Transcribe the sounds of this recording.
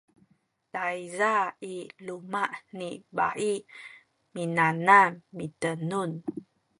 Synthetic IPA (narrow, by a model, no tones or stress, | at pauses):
taizailumaʔniba̰ʔi | minanamːitənun